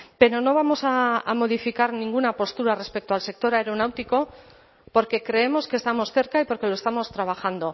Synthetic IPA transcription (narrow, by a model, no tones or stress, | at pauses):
pe̞ɾo̞no̞β̞amo̞saa̰mo̞ð̞ifikaɾnĩŋɡunapo̞st̪uɾare̞spe̞k̚t̪oalse̞k̚t̪o̞ɾaeɾo̞nawt̪iko̞ | po̞ɾke̞kɾe̞emo̞skest̪amo̞sθe̞ɾkaipo̞ɾke̞loe̞st̪amo̞st̪ɾaβ̞axand̪o̞